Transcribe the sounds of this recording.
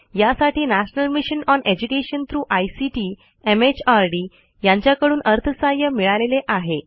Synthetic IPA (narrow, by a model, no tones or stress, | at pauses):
jasaʈiːnæɕnəlmiɕənɔned͡ʑukeɕənt̪ʰɾuːʔajsiʈiː | emet͡ɕaɾɖiː | jãɲt͡ɕjakəɽuːnəɾt̪ʰəsajəmiɭaleleʔaɦe